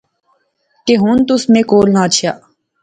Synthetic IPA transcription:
keːɦũːnt̪ʊsmẽːkoːlnãːt͡ʃʰjaː

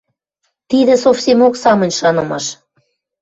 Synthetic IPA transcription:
t̪id̪ĕsofsʲemoksɑmə̆nʲʃɑnɤ̆mɑʃ

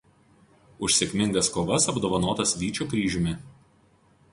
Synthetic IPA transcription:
ʊʃʲsʲeːkʲmʲɪŋɡɐskoːʋɐsɐbd̪oːʋɐnoːt̪ɐsʋʲiːt͡ʃʲuːkɾʲiːʒʲʊmʲɪ

